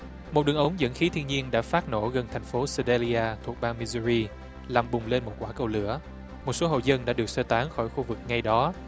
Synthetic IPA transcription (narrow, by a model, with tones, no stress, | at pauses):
mo˨˩t̚ɗɨ˨˩əŋʔə˨˦wŋ͡mzə̰˧˥nxi˨˦t̪ʰi˧əŋɲi˧ənɗa̰ː˧˥faː˦˥t̚no̰˧˩ɣə˨˩nt̪ʰa˨˩jŋ̟fo˨˦sə˧ɗe˧li˧ʔaː˧t̪ʰu˨˩ək̚ɓaː˧ŋmi˧zu˧ɾi˧ | laː˨˩mɓʊ˨˩ŋ͡mle˧nmo˨˩t̚kwaː˧˩kə˧wlɨ̰˧˥ə | mo˨˩t̚so˨˦ɦo̰˧˨zə˧nɗa̰ː˧˥ɗɨ˨˩ək̚səː˧t̪aː˨˦ŋxɔ˧˩jxu˧vɨ˨˩k̚ŋa˧jɗɔ˨˦